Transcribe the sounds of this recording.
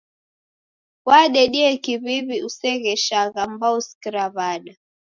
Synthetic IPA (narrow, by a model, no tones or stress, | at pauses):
waɗɛɗiɛkiβiβiusɛɣɛʃaɣambauskiɾaβaɗa